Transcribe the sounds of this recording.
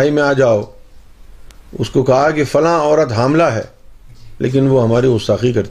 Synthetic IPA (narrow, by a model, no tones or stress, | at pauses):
imẽaːd͡ʒaːo | ʊ̰skokɐɦakefɐlãɔːɾət̪ɦaːmlaɦɛ̰ː | lʔḛːk̬ɪnʋoɦɐmaːɾiʊst̪aːxikɐɾt̪